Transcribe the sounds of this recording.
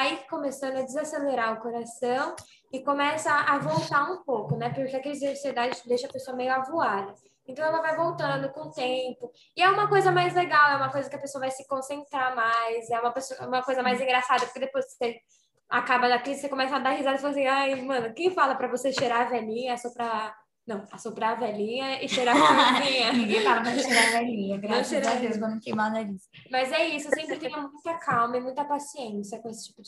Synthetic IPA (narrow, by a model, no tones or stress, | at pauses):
aikomesɐ̃nd̪ʊɐd͡ʒɪzaseleɾaɾʊkoɾasɐ̃w̃ | ɪkõmɛsɐːvowt̪aũpowkʊnɛpʊɾkeakelɪd͡ʒiẽd͡ʒsied̪ad͡ʒɪd̪ejʃɐɐpesoɐmejʊavuad̪ɐ | ẽnt̪ɐ̃w̃ɛlɐvajvowt̪ɐ̃nd̪ʊkõt̪ẽmpʊ | ɪɛũmɐkojzɐmajzleɡawɛũmɐkojzɐkɪɐpesoɐvajsɪkõsẽnt̪ɾamajsɛũmɐpesoɐũmɐkojzɐmajzĩŋɡɾasad̪ɐpoɾked̪epojskse | akabɐd̪akisekõmɛsɐad̪aɦizad̪falasĩajmɐ̃nʊkẽj̃falɐpɾɐvoseʃeɾavɛlĩɲɐɛsopɾa | nɐ̃w̃ɛsopɾavɛlĩɲɐɪʃeɾaɾvɛlĩɲɐkẽfabɐpɾɐʃeɾavɛlĩɲɐɡɾɐ̃ʃeɾad̪esmɐ̃ñkejmad̪ɐis | mɐzɛisʊsẽmpɾɪt̪ẽjɲɐmũj̃t̪ɐkʰawmɐɪmũj̃t̪ɐpasiẽsiɐkõesɪ̥t͡ʃi̥pʊd͡ʒɪ